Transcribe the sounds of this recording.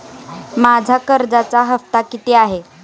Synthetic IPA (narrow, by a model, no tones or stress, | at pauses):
mad͡zʱakəɾd͡zat͡saɦəft̪akit̪eaɦe